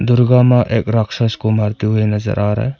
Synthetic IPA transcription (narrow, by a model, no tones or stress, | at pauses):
d̪uɾɡamaʔek̚ɾaksaskumaɾt̪ienɐzɐ̰ɾʔaɾa̰j